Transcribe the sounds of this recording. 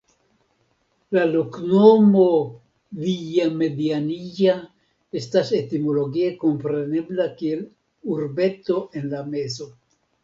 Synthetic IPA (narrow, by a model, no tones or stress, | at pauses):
lalokno̞mo̞ | vijame̞dianija | e̞stase̞timo̞lo̞ɡie̞ko̞mpɾe̞ne̞blakie̞l | uɾbe̞to̞ʔe̞nlame̞zo̞